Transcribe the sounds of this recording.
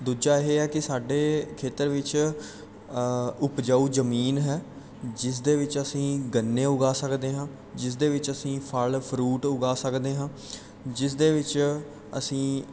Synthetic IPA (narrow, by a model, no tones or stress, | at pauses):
d̪uːd͡ʒaːɦeɦɛːkɪsaːɖeːkʰeːt̪əɾʋɪt͡ʃ | ʊpd͡ʒaːuːd͡ʒəmiːnɦɛː | d͡ʒɪs̬d̪eːʋɪt͡ʃəsĩːɡənːeːʊɡaːsəkd̪eːɦãː | d͡ʒɪs̬d̪eːʋɪt͡ʃəsĩːpʰəlpʰɾuːʈʊɡaːsəkd̪eːɦãː | d͡ʒɪs̬d̪eːʋɪt͡ʃ | ə̰sĩː